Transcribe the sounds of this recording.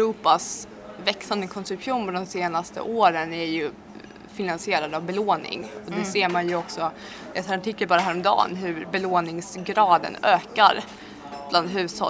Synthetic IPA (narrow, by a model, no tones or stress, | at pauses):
ɾuːpas | vɛksand̪əkʰɔnsɵpʰuːnfɔd̪ɔmseːnast̪ə̰ʔoːɾənæɾjɵ | fɪnansɪeːɾad̪avbɛloːnɪ̰ŋɔd̪ɛseːɾmanjɵɔksɔ | ɛsaɾaʈɪkːəlbɑːɾaɦæːɾɔmd̪ɑ̰ːnɦɵɾbɛloːnɪŋsɡɾɑːd̪ə̰nøːka̰ɾ | bland̪ɦʉ̟ːsɔ̰